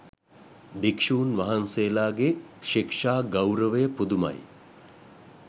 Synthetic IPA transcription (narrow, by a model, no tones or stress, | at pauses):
bikʂuːnʋɐɦɐnseːlaːɡeʃikʂaːɡɐwɾəʋəjəpud̪umɐ̰j